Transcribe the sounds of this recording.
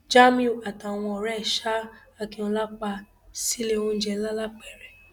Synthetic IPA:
d͡ʒa˦mĩ˦u˨a˨ta˨w̃ɔ̃˧ɔ˨ɾɛ˦ɛ˦˨ʃa˦a˧kĩ˧õ˧la˦k͡pa˧ | si˦le˦˨wõ˦n̩˦d͡ʒɛ˧˦la˦la˦k͡pɛ˦˨ɾɛ˨

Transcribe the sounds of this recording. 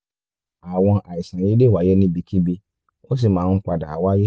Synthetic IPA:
a˨w̃ɔ̃˧ʔa˨i˨sã˨ji˨˦de˦˨wa˨˦je˦nĩ˦bi˧ki˦bi˧ | o˦s̬i˦˨mãː˦k͡pa˨da˨a˨wa˦je˦

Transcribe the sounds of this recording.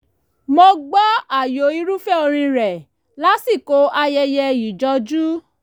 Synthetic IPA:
mo˧ɡ͡ba˦a˦˨jo˨˦i˧ɾu˦fɛ˦o˧ɾ̃ĩ˧ɾɛ˨ | la˦si˦˨ko˨˧˦a˧jɛ˧jɛ˧i˨d͡ʒɔ˧˦d͡ʒu˦

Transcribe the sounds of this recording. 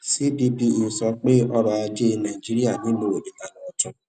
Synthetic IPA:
si˦di˦di˧˨n̩˨sɔ˨k͡pe˦ʔɔ˦ɾa˨a˦d͡ʒe˦na˨i˨d͡ʒi˦ɾi˦a˨nĩ˦no˨o˨de˨ta˨nɔ˨ɔ˦tʊ̃˦

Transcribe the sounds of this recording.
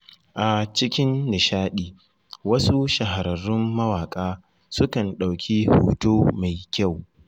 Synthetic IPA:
ʔa˨t͡ʃɪ˦kʲɪ˦nːɪ˨ʃaː˦ɗiː˨ | wɐ˦su˦ʃɐ˨ɦa˨ɾɐ˨rːʊ˦mːɐ˦waː˨kʼaː˦ | sʊ˦kɐ˨nɗa˨wkʲʰiː˦ho̰ː˨toː˦ma˨jkʲa˦˨w

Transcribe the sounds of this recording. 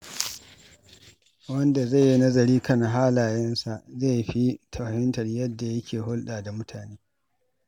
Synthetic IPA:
wɐ˦nda˨za˦˨ji˦nɐ˦zɐ˨ɾiː˦kɐ˦˨nɦaː˦laː˨jɛ˦nsa˨ʔze˦˨jɸi˦tʰɐ˨ɸɐ˨hɪ˦ntɐ˨rjɐ˦dːa˨jɐ˦kʲʰeː˨ɦʊ˦lɗaː˨da˨mʊ˦tʰaː˨neː˦

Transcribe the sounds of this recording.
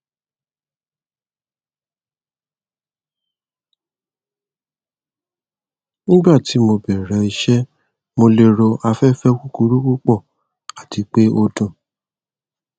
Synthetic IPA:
ñ̩˦ɡ͡ba˦˨ti˨˦mo˧bɛ˨ɾɛ̃˨˦i˧ʃɛ˦ | mo˧le˧ɾo˧a˧fɛ˦fɛ˦ku˦ku˧ɾu˦ku˦k͡pɔ˦˨ | a˨ti˨˦k͡pe˦o˧dũ˨

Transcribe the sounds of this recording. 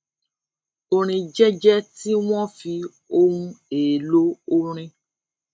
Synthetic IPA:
o˨ɾ̃ĩ˧d͡ʒɛ˦d͡ʒɛ˦ti˦w̃ɔ̃˦fi˧ | o˦ũ˧eː˨lo˦o˧ɾ̃ĩ˧

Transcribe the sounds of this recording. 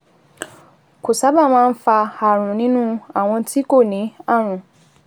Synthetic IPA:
ko˨sa˨˦ba˦˨m̃ãː˦˧n̩˦fa˧a˨ɾ̃ũ˨nĩ˦nũ˦a˦˨w̃ɔ̃˧ti˦ko˦˨nĩ˨˦a˦˨ɾ̃ũ˨

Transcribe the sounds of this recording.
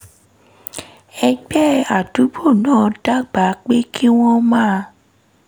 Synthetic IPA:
ɛ˧ɡ͡bɛ˦˨a˨du˨˦bo˦˨nãː˦˨da˦ɡ͡ba˨˦k͡pe˦kʰi˦w̃ɔ̃˦mãː˦˨˧

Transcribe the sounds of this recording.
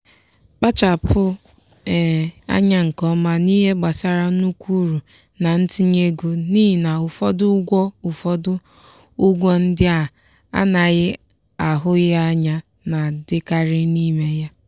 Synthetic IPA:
k͡pa˦t͡ʃa˨pʰʊ˦˨ | a̰˦ɲa˦ŋ̩˨kɔ˦ma˦ni˦ɦe˦ɡ͡ba˨sa˦ɾa˦nu˦kʷu˦ɾu˨ | na˨n̩˦ti˦ɲe˦ɡu˦ni˦˨na˨ʊ˨fɔ˦dʊ˦ɡʷɔ˦ʊ˨fɔ˦dʊ˦ | ʊ˦ɡʷɔ˦n̩˦dɪ˦a˨ | a̰˦na˨ɣɪ˦ | a˨ɦʊ˦ɣɪ˦a˦ɲa˦ | na˨dɪ˦ka˦ɾɪ˦ni˦me˦ja˦

